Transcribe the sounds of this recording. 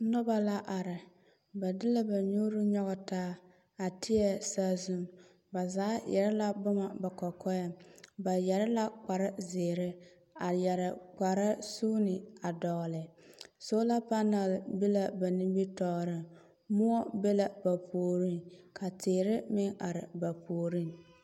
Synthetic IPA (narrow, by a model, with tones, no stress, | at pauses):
nʊ˦ba˨la˦ʔa˨ɾɪ˨ | ba˨dɪ˦la˦ba˨ɲu˦ɾɪ˦ɲɔ˦ɣɔ˨taː˦ | a˨tʰɪ˦ɛ˦saː˦zu˦˨m | ba˨zaː˨˦jʔɛ̰˨ɾɪ˦la˦bʊ˦ma˨ba˨kɔ˨kɔ˦jɛ˨ba˨jɛ˨ɾɪ˦la˦k͡pa˨ɾɪ˦zeː˨ɾɪ˦ | a˨jɛ˨ɾɪ˨k͡pa˨ɾa˦suː˦nɪ˨a˨dɔ˨lɪ˨so˦la˦pa˦na˨lbe˦la˨ba˨ni˦mbi˦tɔː˨ɾɪ˦ | mʊ˦ɔ˦be˦la˨ba˨pʰoː˨ɾi˦ŋkʰa˨tʰɪː˨ɾɪ˦mɪ˦ŋa˨ɾɪ˨ba˨pʰoː˨ɾi˦ŋ